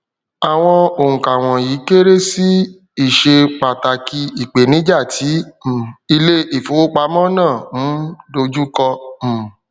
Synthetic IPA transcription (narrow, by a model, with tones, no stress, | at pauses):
a˨w̃ɔ̃˧o˨hũ˨ka˨w̃ɔ̃˨ji˨˦ke˦ɾe˦si˦ | i˦˨ʃe˧k͡pa˨ta˨ki˧i˨k͡pe˨nĩ˨˦d͡ʒa˦˨tʰi˨˦˨ | i˧le˦i˨fo˨˦wo˦k͡pa˧˦mɔ̃˦nãː˦˨m̩˨˦do˧d͡ʒu˦kɔ̃˧˨